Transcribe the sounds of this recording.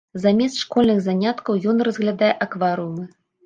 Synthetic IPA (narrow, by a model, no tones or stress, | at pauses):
zamʲɛst̪ʂkɔlʲnɨɣzanʲat̪kɐwjɔnrɐzɣlʲad̪ajɛʔakvaɾɨumɨ